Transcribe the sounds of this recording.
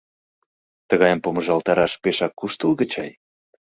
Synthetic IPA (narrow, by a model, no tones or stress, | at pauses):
t̪əɣɑjəmpoməʒɑlt̪ɑɾɑʃpeʃɑkːuʃt̪əlɣə̆t͡ɕɑj